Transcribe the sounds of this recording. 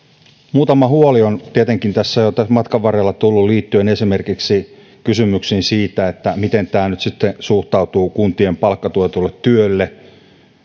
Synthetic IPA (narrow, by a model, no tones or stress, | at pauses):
muːt̪ɑmɑhuoliont̪iet̪eŋkint̪æsːæjot̪æsmɑt̪kɑʋʋɑrelːɑt̪ulːulliːt̪ːyenesimerkiksi | kysymyksinsiːt̪æet̪ːæmit̪ent̪æːnyt̪sit̪ːesuht̪ɑut̪uːkunt̪iempɑlkːɑt̪uøt̪ulːet̪t̪yølːe